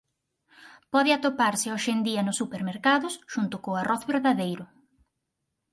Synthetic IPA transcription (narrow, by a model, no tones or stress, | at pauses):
pɔðɪat̪opaɾsɪɔʃend̪iɐnʊsːupeɾmeɾkaðʊsʃunt̪ʊkoarɔθβeɾðaðejɾʊ